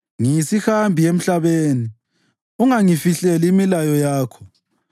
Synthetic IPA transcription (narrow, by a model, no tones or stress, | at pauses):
ŋiisixambʱiem̩ɬaβeːni | uŋaŋifiɬɛliimilajɔjaːkʰɔ̥